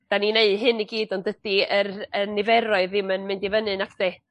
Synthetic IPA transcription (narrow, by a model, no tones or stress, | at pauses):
d̥anineɨ̥ɦɨniɡiːdɔndəd̥iərənːɪvɛɾɔɨðɪmənmɪndivənɨnakʰd̥eɨ